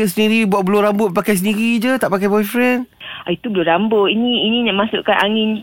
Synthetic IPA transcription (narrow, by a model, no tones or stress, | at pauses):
əsəniɾibuatʔ̚bəlʊɾambʊʔ̚pakajs̬əndiɾid͡ʒət̪aʔpakajbɔjfɾɛn | ait̪ubəlʊɾambʊʔiniːniɲaʔmasʊʔkanʔaŋɪn